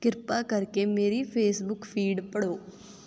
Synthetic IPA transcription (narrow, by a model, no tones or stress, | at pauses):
kɪɾpakəɾkemeːɾipʰeːsbʊkpʰiːɖpəɽoː